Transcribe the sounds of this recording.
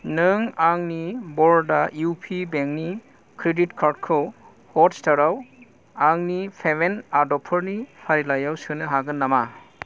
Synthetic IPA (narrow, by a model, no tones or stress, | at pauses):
nɯŋaŋnibɔɾdajupʰibeŋk̚ni | kɾeditkʰaɾdkʰɯw | hɔtstaɾaw | aŋnipʰebenadɔpʰɯɾnipʰaɾilajawsɯnɯɦaɡɯnːama